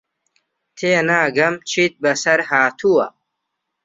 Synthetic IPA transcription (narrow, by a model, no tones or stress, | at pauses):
t̪ʰeːnaːɡɐmt͡ɕʰit̪̚bɐsɐɾhaːt̪ʰuwɐ